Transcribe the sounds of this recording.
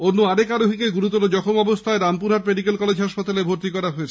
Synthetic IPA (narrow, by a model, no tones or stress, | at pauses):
onːuaɾekaɾoɦikeɡuɾut̪ɔɾod͡ʑɔkʰomɔbost̪ʰaeɾampuɾaɾpɾeɖikelkɔled͡ʑɦaʃpat̪alebʱoɾt̪ikɔɾaɦoet͡ɕʰ